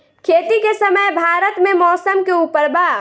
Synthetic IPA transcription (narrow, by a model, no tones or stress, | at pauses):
kʰeːt̪ikesɐməjbʱaːɾət̪mẽmɔːsəmkeuːpəɾbaː